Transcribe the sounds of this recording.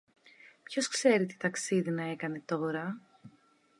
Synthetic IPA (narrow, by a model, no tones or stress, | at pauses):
pço̞skse̞ɾit̪i̥t̪ɐksiðinɐe̞kɐne̞t̪o̞ɾɐ